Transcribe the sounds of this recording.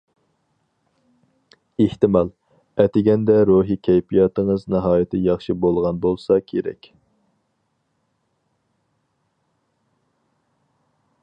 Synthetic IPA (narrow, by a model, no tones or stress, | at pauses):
eht̪ɪmɑlˠ | ɛt̪ʰɪɡʲɛnd̪ɛɾuɦikʲʰɛjpʰijɑt̪ʰɨŋɨznɨɦɑːjɪt̪ʰɪjɑχʃibolˠʁɑnbolˠsɑkʲʰeɾɛ̰kʲ